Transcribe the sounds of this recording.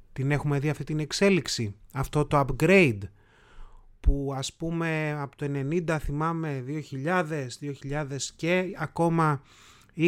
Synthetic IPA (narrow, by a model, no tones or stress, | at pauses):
t̪ine̞xume̞ðiɐft̪it̪ine̞kse̞liksiɐft̪o̞t̪o̞ɐpɡɾe̞jd̪ | puɐspume̞ɐpot̪oe̞ne̞nind̪ɐθimɐme̞ðio̞çiʎɐðe̞sðio̞çiʎɐðe̞sceɐko̞mɐ | i